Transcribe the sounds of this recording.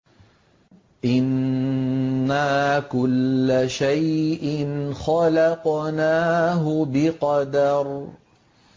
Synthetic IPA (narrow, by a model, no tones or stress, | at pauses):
ʔɪnː | aːkʊlːaʃajʔɪnxɑlɑqnaːɦʊbɪqɑd̪ɑɾˤ